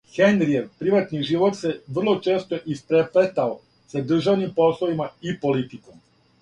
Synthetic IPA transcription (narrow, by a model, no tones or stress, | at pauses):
xenɾieɾpɾiʋat̪niʒiʋo̞t̪se̞ʋr̩lˠo̞t͡ʃe̞ːst̪oʔispɾeplet̪ao | sad̪r̩ʒaʋnimpo̞slˠoʋimaipo̞lit̪ikom